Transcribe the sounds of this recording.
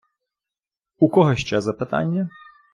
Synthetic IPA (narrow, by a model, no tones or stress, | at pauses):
ukɔɦɔɕʲt͡ʃazɐpɪt̪a̰nʲːɐ